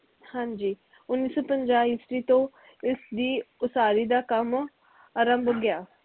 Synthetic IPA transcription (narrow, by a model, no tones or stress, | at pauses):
hãːɲd͡ʒiː | ʊnːiːsõːpəɲd͡ʒaːisɾiːt̪õː | ɪsd̪iːʊsaːɾiːd̪aːkəm | aɾəmbəɡjaː